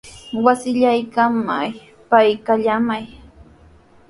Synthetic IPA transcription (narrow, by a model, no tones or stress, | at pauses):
wasɪʎajkama̰j | pajkaʎamaj